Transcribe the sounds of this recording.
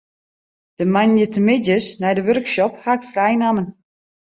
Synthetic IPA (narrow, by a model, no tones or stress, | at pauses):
d̥əmaɲjətəmɪdjəsnɛjdəʋørkʃɔphakfrajnamən